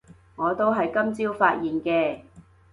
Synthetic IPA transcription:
ŋɔː˨˧t̪o˥wɦɐ˨jkɐ˥mt͡siː˥wfaː˧t̚jiː˨nkɛː˧

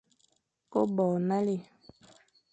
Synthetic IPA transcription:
ko˦bɔː˨na˦le˨

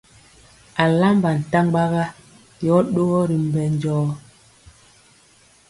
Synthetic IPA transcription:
a˨la˦mba˨n̩˨ta˦ŋ˦ɡ͡ba˦ɣa˦ | jɔ˨˦ɗo˦ɣɔ˦ɾi˨m̩˨bɛ˨n̩˦d͡ʒɔː˦

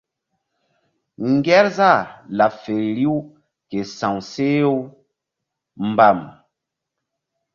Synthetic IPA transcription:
ŋ˦ɡɛ˦ɾza˦˨la˨fe˨ɾi˦w | ke˨sã˨wse˦o˦ | m̩˨ba˨m

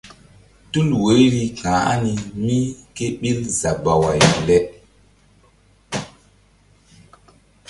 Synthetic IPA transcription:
tu˦lwe˨˦jɾi˦kãː˨a̰˦ni˨mi˦ke˦ɓi˦lza˨ba˨wa˨jlɛ˦

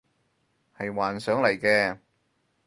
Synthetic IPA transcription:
hɐ˨jwaː˨˩nsœː˨˥ŋlɐ˨˩jkɛː˧

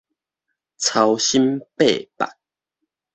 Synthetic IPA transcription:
t͡sʰa˧wɕi˦mpe˥˨pa̰˨k̚

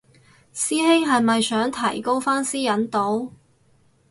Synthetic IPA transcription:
siː˥hɪ˥ŋɦɐ˨jmɐ˨jsœː˨˥ŋt̪ʰɐ̰˨˩jko˥wfaː˥nsiː˥jɐ˨˥nt̪o˨˥w

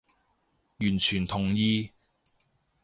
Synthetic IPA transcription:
jyː˨˩nt͡ʃʰyː˨˩nt̪ʰʊ˨˩ŋjiː˧

